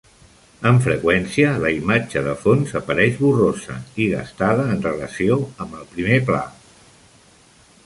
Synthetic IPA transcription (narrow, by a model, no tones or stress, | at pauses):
əɱfɾəkwɛnsiələimad͡ʒəðəfonzəpəɾɛʒβurozə̰iɣə̰st̪aðəːnrələsioəmbəlˠpɾimepla̰